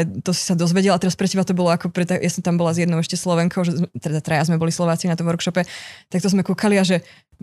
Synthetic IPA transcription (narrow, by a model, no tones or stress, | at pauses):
ɛt̪ɔsi̥sad̪ɔzʋɛɟɛlat̪ɛɾaspɾɛcɛbat̪ɔbɔlɔakɔpɾɛt̪ːajasɔmt̪ambɔlazjɛd̪nɔʊɛʃcɛslɔʋɛŋkʰɔʊʒɛt̪ɛd̪at̪ɾajazmɛbɔlislɔʋaːt͡sinat̪ɔmʋɔɾkʃɔpɛt̪ak̚t̪ɔzmɛkukʰaliaʒɛ